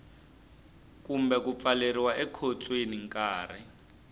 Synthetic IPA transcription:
kumbɛkup̪faleɾiwaʔɛkʰot͡sʼweniŋkaːrɛ̰

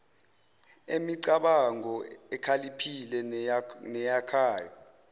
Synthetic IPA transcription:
emiǀaɓaŋɔɛkʰalipʰilɛnɛjakʰaːja

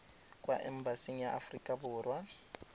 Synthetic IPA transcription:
kʼwa̰ʔɛm̩basiŋ̩jaʔafrikʼabʊːrwa

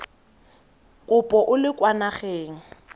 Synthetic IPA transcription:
kʼʊpʼɔʔʊlɪkʼwanaχeːŋ̩

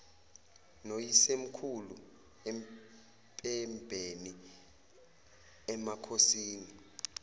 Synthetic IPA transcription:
nojisem̩kʰulṵ | ɛm | pʼɛmbʱeni | ɛmakʰosiːni

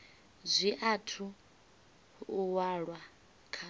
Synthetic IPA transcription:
zʷiʔatʰu | waɺwa | kʰa

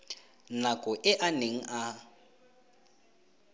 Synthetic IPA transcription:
nakʼɔʔɪʔaneŋ̩ʔa

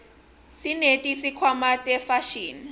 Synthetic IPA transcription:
sinetʼisikʰwamatʼɛfaʃiːn

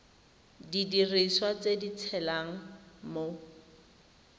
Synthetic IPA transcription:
didiriswat͡sedit͡sʰɛlaŋ̩mo

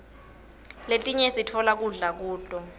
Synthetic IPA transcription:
letʼiɲesitʰɔlak̬uɮak̬uːtʼɔ

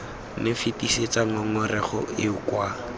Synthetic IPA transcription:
nɪfitiset͡saŋɔŋɔrɛχɔ̰ɪʊkwa

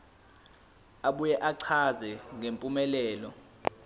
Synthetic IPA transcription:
aɓujɛʔaǀʰazɛŋempʼumɛlɛːlɔ

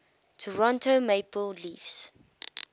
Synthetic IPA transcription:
tʰɔɹɔ̃ntomepəlliːfs

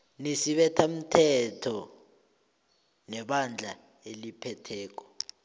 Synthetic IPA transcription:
nisiɓɛtʰam̩tʰɛtʰɔ | nɛɓand͡ɮʱa | elipʰɛtʰɛːk̬ɔ̥

